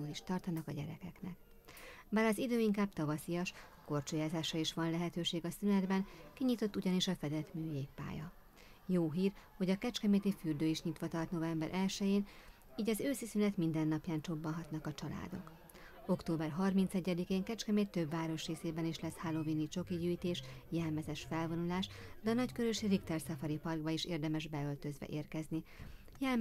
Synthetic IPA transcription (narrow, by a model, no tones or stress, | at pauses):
uːliʃt̪ɒrt̪ɒnɒkɒɟɛ̰ɾɛ̰kɛknɛ̰k | baːɾɒzid̪øːiŋkaːb̥̚t̪ɒvɒsijɒʃ | ko̞rt͡ʃujaːzaːʃɒiʃʋɒnlɛɦɛt̪øːʃeːɡɒsynɛd̪bɛnkiɲiːt̪o̞t̪ːuɟɒniʃɒfɛd̪ɛt̪myːjeːk̚pa̰ːjɒ̰ | joːɦiːrho̞ɟɒkɛt͡ʃkɛmeːt̪ifyːrd̪øːiʃɲit̪ʋɒt̪ɒrt̪no̞vɛmbɛɾʔɛlʃɛjeːn | iːɟɒzøːsisylɛt̪mind̪ɛnːɒpjaːnt͡ʃo̞bːɒnɦɒt̪nɒkɒt͡ʃɒla̰ːd̪o̞̰k | o̞kt̪oːbɛrɦɒrmint̪sɛɟːɛd̪ikeːŋkɛt͡ʃkɛmeːtt̪ːø̞bːaːɾoʃreːseːbɛniʃlɛshalovinit͡ʃo̞kiɟyːjt̪eːʃjɛlmɛzɛʃfɛlvo̞nulaːʃd̪ɛːnɒckøɾøʃirikt̪ɛrsɒfɒɾipɒrɡ̚bɒiʃeːrd̪ɛmɛʒbɛølt̪ø̞zʋɛ̰ʔeːrkɛzni | jɛl